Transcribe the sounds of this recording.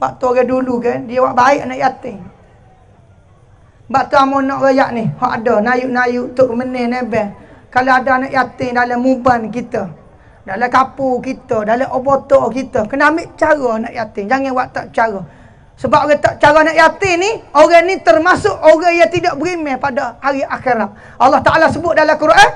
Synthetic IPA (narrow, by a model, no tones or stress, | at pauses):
baʔt̪uoɣɛdulukəndiəwaʔbaɪʔanaʔjat̪ɪŋ | baʔt̪uamɔnɔʔɣajaʔnɪhoʔadanajuʔnajuʔt̪ʊʔkmənɛnebɛhkaloadaanaʔjat̪ɪŋdaləmːubankit̪ə | daləkapukit̪ədaləʔobot̪ɔkit̪əkənamɪʔt͡ʃaɣənaʔjat̪ɪŋd͡ʒaŋawaʔt̪aʔt͡ʃaɾɔ | səbap̚oɣət̪aʔt͡ʃaɣɔnaʔjat̪ɪŋnioɣənit̪ərmasʊʔoɣəjat̪idɔʔbəɾimepadahaɾiʔaxeɾat̪̚ | ɑlːɑht̪aʔalasəbʊt̪̚dalakəɾoʔə